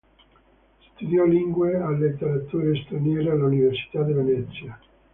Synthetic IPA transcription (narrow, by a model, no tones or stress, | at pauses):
st̪ud̪jɔliŋɡwealːet̪ːeɾat̪uːɾest̪ɾanjɛːɾealːuniversi̥t̪ad̪ivenɛt̪sːja